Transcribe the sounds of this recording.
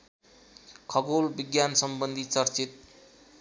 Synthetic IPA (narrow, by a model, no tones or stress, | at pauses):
kʰʌɡolbiɡjansʌmbʌnd̪ʱit͡sʌrt͡sit̪̚